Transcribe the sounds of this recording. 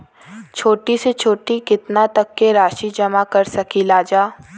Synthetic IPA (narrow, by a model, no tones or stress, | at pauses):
t͡ʃʰoːʈiset͡ʃʰoːʈikɪt̪nat̪ɐkːeɾaːʃid͡ʒɐmakɐɾsɐkilaːd͡ʒaː